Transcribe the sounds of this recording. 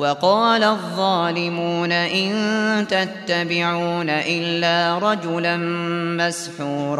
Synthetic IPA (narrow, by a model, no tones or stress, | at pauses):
wɑqɑːlaðˤːɑːlɪmuːnaʔɪnt̪at̪ːabɪʕuuːnaʔɪlːaːɾˤɑd͡ʒʊlanmasħuːɾˤ